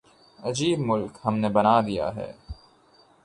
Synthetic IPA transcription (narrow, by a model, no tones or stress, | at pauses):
ɐd͡ʒiːbmʊlkhɐmnebɐnaːd̪ija̰ɦɛ̰ː